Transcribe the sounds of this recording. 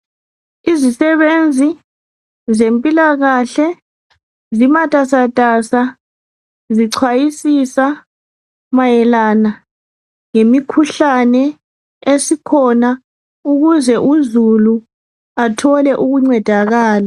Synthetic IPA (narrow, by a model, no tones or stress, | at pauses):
izisɛβend͡zʱi | zempʼilaɣaɬɛ | zimatʼasatʼasa | ziǀʰwajisisa | majɛlana | ŋemikʰuɬanɛ | esikʰɔna | uɣuzɛʔuzulu | atʰɔlɛʔuɣuŋ͡ǀɛd̥ʱaɣaːla